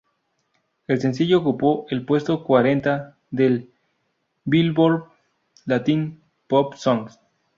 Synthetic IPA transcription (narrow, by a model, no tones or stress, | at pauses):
elsensiʝoːkupoʔelpwe̞st̪okwaɾent̪a | ðel | bilboɾ | lat̪in | popsoŋs